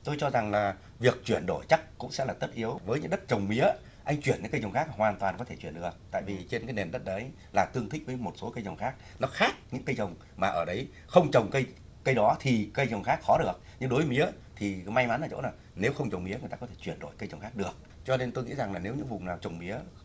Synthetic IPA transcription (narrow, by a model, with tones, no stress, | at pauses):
t̪o˧jt͡ɕɔ˧za˨˩ŋlaː˨˩ | vi˨˩ək̚t͡ɕwi˧˩ənɗo˧˩jt͡ɕa˦˥k̚kʊ̰˧˥ŋ͡msɛ̰˧˥laː˨˩t̪ə˦˥t̚ʔi˨˦əwvəː˨˦jɲɨ̰˧˥ŋɗə˦˥t̚t͡ɕə˨˩wŋ͡mmi˨˦ə | ʔa˧jŋ̟t͡ɕwi˧˩ənɲɨ̰˧˥ŋkə˧jt͡ɕə˨˩wŋ͡mxaː˦˥k̚ɦwaː˨˩nt̪waː˨˩nkɔ˨˦t̪ʰe˧˩t͡ɕwi˧˩ənɗɨ˨˩ək̚t̪a̰ː˧˨jvi˨˩t͡ɕe˧nkaː˨˦jne˨˩nɗə˦˥t̚ɗə˨˦j | laː˨˩t̪ɨ˧ət̪ʰï˦˥k̚vəː˨˦jmo˨˩t̚so˨˦kə˧jt͡ɕə˨˩wŋ͡mxaː˦˥k̚ | nɔ˨˦xaː˦˥k̚ɲɨ̰˧˥ŋkə˧jt͡ɕə˨˩wŋ͡m | maː˨˩ʔəː˧˩ɗə˨˦j | xə˧wŋ͡mt͡ɕə˨˩wŋ͡mkə˧j | kə˧jɗɔ˨˦t̪ʰi˨˩kə˧jt͡ɕə˨˩wŋ͡mxaː˦˥k̚xɔ˨˦ɗɨ˨˩ək̚ɲɨ˧ŋɗo˨˦vmi˧˦ə | t̪ʰi˨˩ma˧jma˨˦nʔəː˨˩t͡ɕo̰˧˥naː˨˩ | ne˨˦wxə˧wŋ͡mt͡ɕə˨˩wŋ͡mmḭ˨˦əŋ˨˩t̪aː˧kɔ˨˦tʰe̥˧˩t͡ɕwi˧˩ənɗo˧˩jkə˧jt͡ɕə˨˩wŋ͡mxaː˦˥k̚ɗɨ˨˩ək̚ | t͡ɕɔ˧ne˧nt̪o˧jŋḭ˧˥za˨˩ŋlaː˨˩ne˨˦wɲɨ̰˧˥ŋvʊ˨˩ŋ͡mnaː˨˩wt͡ɕə˨˩wŋ͡mmi˨˦ə